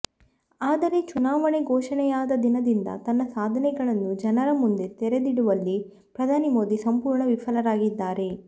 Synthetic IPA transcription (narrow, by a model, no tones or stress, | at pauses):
aːd̪ɐɾe̞t͡ʃunaːʋɐɳeɡɔːʂɐɳɛjaːd̪ɐd̪inɐd̪ind̪ɐ̰t̪ɐnːɐsaːd̪ʱɐnɛɡɐɭɐnːud͡ʒɐnɐɾɐmund̪e̞t̪ɛɾe̞d̪iɽuʋɐlːi | pɾɐd̪ʱaːnimo̞ːd̪isɐmpuːɾɳɐʋifʰɐlɐɾaːɡid̪ːaːɾe̞